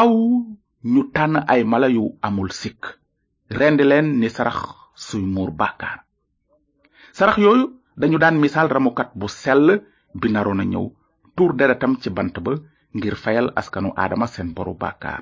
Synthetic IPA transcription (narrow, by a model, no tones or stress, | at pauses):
ɐw | ɲutanʔɐjmɐlɐjuɐmulsik | ɾɛndilɛːnːisɐɾɐ̰x | sujmuːɾba̰kaːr | sɐɾɐxjoːju | dɐɲudaːnmisaːlrɐmukɐt̚busɛlːə | binɐɾonɐɲɐ̰w | tuːɾdedɐtɐmcibɐntɐbə | ŋɡiɾfɐjɐlɐ̰skɐnṵʔa̰ːdɐmɐsɛnboɾṵba̰ːka̰ːr